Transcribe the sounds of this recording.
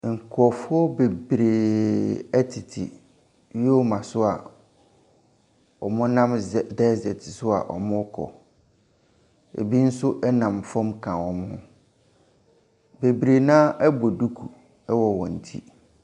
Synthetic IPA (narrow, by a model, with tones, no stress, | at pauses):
ŋ̩˨kʰɔ˨fʊ˦ɔ˦be˨bɾe˨ | ɛ˦tʰɪ˨tʰḭ˨ | ɥi˦ɔ˦mã˨sʊ˦a˨ | ɔ˨mʊ̃˦nã˦m˨dɛ˦zɪ˨ɛ˨tʰɪ˨sʊ˦a̰˨ʔɔ̰˨mʊ̃˦kʰɔ̰˨ | ḛ˨bi˦n̩˦sʊ˦ʔɛ˦nã˨mfɔ̃˦mkʰã˨wɔ˨mʊ̃˦ | be˨bɾe˨nãː˦ʔɛ˦bɔ˨du˦kʰu˨ | ɛ˦wɔ˨wɔ̃˨n̩˨tʰḭ˦